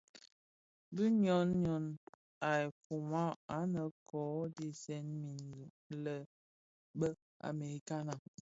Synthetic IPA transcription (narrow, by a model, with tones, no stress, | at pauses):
bi˦ɲɔ˦nɲɔ˨˦n | a˨e˨ku˨ma˦a˨˦nə˨kɔː˨˦di˦sɛ˦nmi˨nzu˨ | lə˦˨ | bə˦ | a̰˨me˨ɾi˨ka˦na˨